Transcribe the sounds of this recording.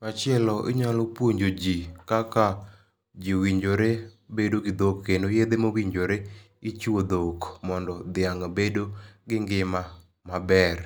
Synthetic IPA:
at͡ʃɪɛlɔʔɪ̰ɲalopwoɲd͡ʒod͡ʒikaka | d͡ʒiwiɲd͡ʒoɾebedoɡɪd̪okːenojed̪emowiɲd͡ʒoɾe | ɪt͡ʃuod̪okmɔndɔd̪ɪaŋabedoɡɪŋɡɪma | mabɛr

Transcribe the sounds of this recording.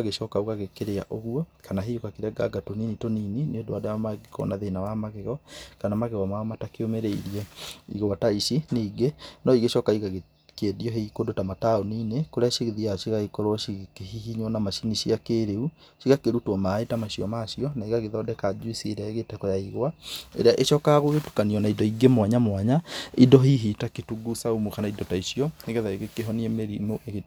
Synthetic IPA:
ɣeʃɔːkauɣaɣekeɾea̰ʔoɣuɔkʰanaɦeukakeɾɛɡa̰ɡatoninitoninineodowadamaɡekɔ̰naðenawamaɣeɣɔkanamaɣɛɣɔmaɔmatakeomeɾeiɾiɛḭɣoataiʃineiɡenɔiɡeʃɔkaiɣaɣe | kɛdiɔɦeikodotamataoninekoɾeaʃiɣeðiaʃiɣaekɔɾwɔʃiɣkeɦihiɲwɔnamaʃiniɕiakeːɾeu | ʃiɣakeɾutwɔmaetamaɕiɔmaʃiɔnaiɣaɣeðɔːdɛkad͡ʒuisieɾeaeɣetɛkɔjaiɣwaḛɾeaʔeʃɔkaɣoɣetu̥kaniɔnaidɔiɡemwaɲamwaɲaidɔɦiɦitaketuɡusaumukanaidɔtaiɕiɔneɣɛðaeɣekeɦɔniemeɾimoʔeɣe

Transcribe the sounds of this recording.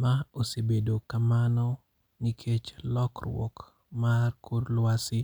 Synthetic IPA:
maosebedokamanɔ | nikʰet͡ʃlɔkrwɔ̰k | markuɾlwasɪ

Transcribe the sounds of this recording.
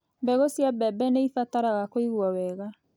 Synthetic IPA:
bɛɣosjabɛbɛneifataɾaɣakoiɣuawɛɣa

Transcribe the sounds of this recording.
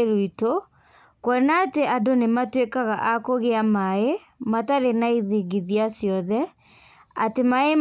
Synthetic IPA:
ɾoito | kwɔnaːteʔadonematwekaɣaʔakoɣeamae | mataɾenaiðiɣiðiasjɔðɛ | a̰temae

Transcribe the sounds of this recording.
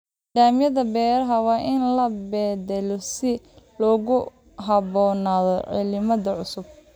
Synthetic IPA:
ɖaːmjɐðɐbɛːɾɐɦɐwɑːʔɪnlɐbɛːd̪ɛlɔsɪ | lɔːɣʊ | ɦɐβɔːnaːðɔʕɪ̰lɪmɐðɐʕʊsʊb̚

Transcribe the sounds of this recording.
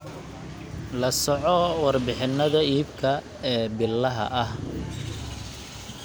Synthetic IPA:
lɐsɔʕɔwɑrbɪħɪnːɐðɐiːbkʰɐ | ɛːbɪlːɐɦɐ̰ʔɐh

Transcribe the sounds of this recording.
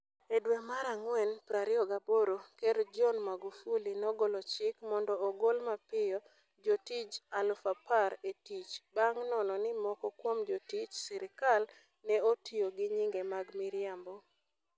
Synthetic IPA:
edwɛmaɾaŋwɛnpɾaɾɪɔɡaboɾokeɾd͡ʒɔnmaɡufulinɔɡolɔt͡ʃɪkmɔndɔːɡolmapɪɔ | d͡ʒotit͡ʃalfapaɾetit͡ʃbaŋnɔnɔnɪmɔkɔkwomd͡ʒotit͡ʃsɪɾɪkal | nɛotioɡɪɲiŋɡemaɡmiɾjambɔ

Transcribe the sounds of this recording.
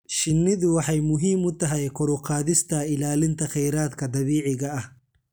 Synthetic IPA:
ʃɪnːɪðʊwɑħɐjmʊɦiːmʊt̪ɐɦɐjkɔɾʊqɑːðɪst̪ɐɪlaːlɪnt̪ɐxɛjɾaːt̪kɐd̪ɐβiːʕɪɣɐɐh

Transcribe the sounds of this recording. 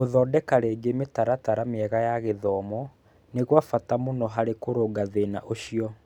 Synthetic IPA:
oðɔːdɛkaɾeːɡemetaɾataɾameɛɣajaɣeðɔmɔ | neɣwafatamonɔɦaɾekoɾoːɡaðenaʔoɕiɔ

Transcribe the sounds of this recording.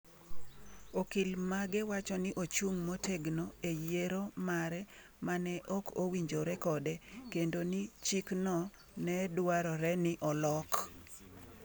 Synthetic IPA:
okilmaɡɛwat͡ʃɔnɪʔot͡ʃuŋmoteɡnoejeɾomaɾɛ | manɛʔɔkowiɲd͡ʒoɾɛkɔdɛkendonit͡ʃiknɔ | nɛdwaɾɔɾɛnɪʔɔlɔk

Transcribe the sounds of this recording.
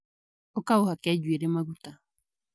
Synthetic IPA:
ɔkaohakɛd͡ʒweɾemaɣuta

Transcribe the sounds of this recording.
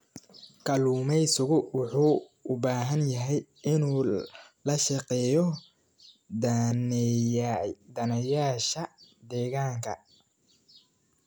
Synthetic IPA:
kʰɐluːmɛjsʊɣʊwʊħuːʊbaːɦɐnjɐɦɛjʔɪnuːlɐʃɐqɛːjɔ | d̪ɐnɐjaːʃɐd̪ɛːɣaːŋkʰɐ

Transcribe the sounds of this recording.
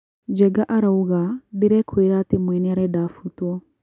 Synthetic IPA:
d͡ʒɛɡaʔaɾauɣadiɾɛkʰweɾatimwɛnɛaɾɛdafutwɔ

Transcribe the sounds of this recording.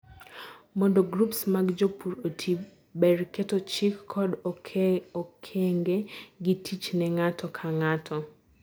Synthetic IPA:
mɔndoɡɾupsmaɡd͡ʒopuɾotʰi | bɛɾketɔt͡ʃikʰːɔd | okʰeŋɡeɡɪtʰit͡ʃnɛŋatɔkʰaŋatʰɔ

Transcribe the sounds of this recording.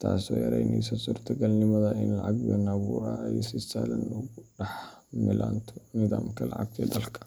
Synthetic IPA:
t̪ʰaːsɔːjɐɾɛjnɛjsɔsuːrt̪ʰɐɡɐlnɪmɐðɐɪnlɐʕaɡbɛnɐβuːɾɐɛjsɪsaːlɐnɔɣʊɖɐħ | mɪlaːnt̪ʰɔnɪðaːmkʰɐlɐ̰ʕɑ̰ɡ̚t̪ʰɛːd̪ɐlkʰɐ̥

